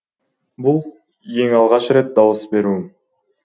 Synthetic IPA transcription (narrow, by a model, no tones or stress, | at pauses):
bulˠ | e̞ŋɑlˠʁɑʃre̞t̪̚d̪ɑwəsbe̞ɾu